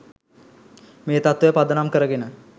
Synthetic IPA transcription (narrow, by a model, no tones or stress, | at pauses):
meːt̪at̪ʋejəpad̪ənamkəɾəɡenə